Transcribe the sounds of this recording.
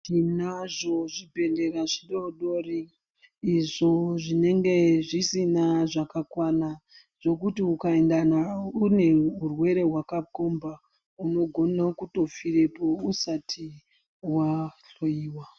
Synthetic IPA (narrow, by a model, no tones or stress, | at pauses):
inaʐo̞ʐibʱe̞ɮe̞raʐiɗoɗo̞riː | ʐo̞ʐine̞ŋɡe̞ʐisinaʐakakwana | ʐ̥o̞kutiukae̞ndanaune̞ɦurwe̞ɾe̞ɦwakakomba | uno̞ɡʱo̞nakuto̞fiɾe̞po̞usatʰi | waɬoiːwa